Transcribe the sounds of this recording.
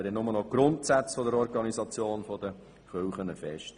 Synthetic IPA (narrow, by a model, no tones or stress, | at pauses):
dɛnːʊmənɔɡ̥ɾʊntsæt͡sfɔdəɾɔɾɡɑnizɑt͡sjoːnfɔd̥̪ə | χøwχənəfɛʃt